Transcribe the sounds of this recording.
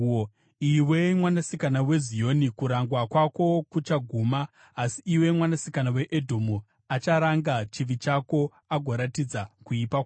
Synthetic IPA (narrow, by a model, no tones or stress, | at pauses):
iwe̞mwanasikanawe̞zijo̞nikuɾaŋɡwakwako̞kut͡ʃaɡʱumaː | siːwe̞mwanasikanawe̞ʔedʱo̞mu | at͡ʃaɾaŋɡat͡ʃiʋit͡ʃako̞ | aɡʱo̞ɾatid͡zakuipak